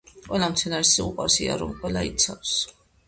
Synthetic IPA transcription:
qʼwɛlamt̪sʰɛnaɾisiuqʼwaɾsia̰ɾɔmqʼwɛlait̪sʰafs

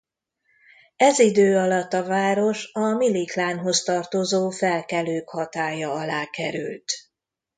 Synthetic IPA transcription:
ɛzid̪øːɒlɒt̪ːɒvaːɾo̞ʃɒmiliklaːnɦo̞st̪ɒrt̪ozoːfɛlkɛløːkhɒt̪aːjɒɒlaːkɛɾylt̪

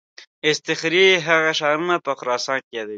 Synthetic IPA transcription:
ɪst̪ɪxɾiɦaɣaʃɑːɾunapəxʊɾɑːsɑ̃ːnkejɑːd̪awi

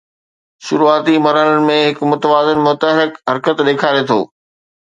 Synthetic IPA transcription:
ʃʊɾuaːt̪imɐɾəɽənɪ̆mẽɦɪkmʊt̪əʋaːzɪnmʊt̪əɦɾɪkɦɐɾkət̪ɗeːkʰaːɾet̪ʰo̰ː

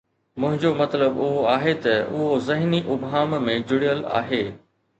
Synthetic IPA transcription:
mʊ̃ɦɪ̃ɲd͡ʑomɐt̪ləbʊɦoaːɦet̪ɐʊɦozɐɦniʔʊbɦaːmmẽd͡ʑʊɽijəla̰ːɦeː

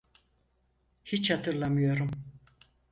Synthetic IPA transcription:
hit͡ʃhat̪ʰɯɾlˠamɯjo̞ɾum

